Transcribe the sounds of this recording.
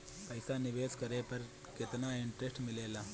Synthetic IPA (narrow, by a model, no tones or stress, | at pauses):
pɐjsaniʋeːskɐɾeːpɐɾ | ket̪ɐnaiɳʈɾesʈmileːla